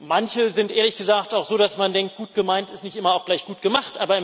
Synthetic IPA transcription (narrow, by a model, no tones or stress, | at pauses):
mançəzɪntʔeːɐlɪçɡ̥əzaːk̚taʊxz̥oːdasmandɛŋk̚t̚ɡ̥uːt̚ɡ̥əmaɪntɪstnɪçtʔɪmɐaʊxɡ̥laɪçɡ̥uːt̚ɡ̥əmaχtʔaːbɐɪm